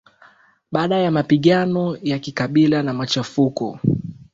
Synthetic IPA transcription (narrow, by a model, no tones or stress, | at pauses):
ɓaːɗajamapiɠanɔjakikaɓilanamat͡ʃafukɔ̰